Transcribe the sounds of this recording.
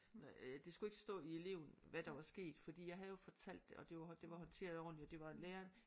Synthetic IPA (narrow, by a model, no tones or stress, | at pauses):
nd̥e̝sɡ̥ue̝ɡ̥ə̥sd̥ɔ̰ːie̝le̝̰ʊn̩ʋæd̥ɑ̈ʋɑ̈sɡ̥e̝̰ːd̥fɒ̽d̥ḭːjɑ̈ɪɦæð̩jo̝fɒ̽t͡sʰæl̰d̥ːe̝ʔɒ̽d̥e̝jd̥e̝ʋɑ̈ɦɒ̽nt͡sʰe̝̰ɐðˠɒ̰ːnliɒd̥e̝ʋɑ̈enleːɐn